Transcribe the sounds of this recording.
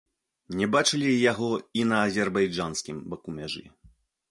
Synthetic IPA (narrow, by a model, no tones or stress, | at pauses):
nʲɛbat͡ʂɨlʲijaɣɔinɐːzʲɛrbajd͡ʐansʲkʲimbɐkumʲaʐɨ̰